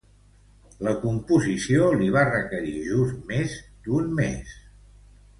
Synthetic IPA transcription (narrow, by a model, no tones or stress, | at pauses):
ləkumpuzisioliβarəkəɾiʒuzmezd̪unmḛs